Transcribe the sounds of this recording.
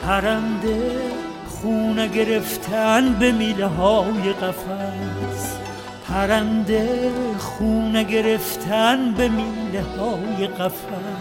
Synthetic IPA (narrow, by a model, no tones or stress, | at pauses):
pʰæɾænd̪e | χuːneɡe̞ɾeft̪ʰænbemileɦɒːjeɣæfæs | pʰæɾænd̪eχuːneɡe̞ɾe̞ft̪ʰænbemiːlehɒːjeɣæfæ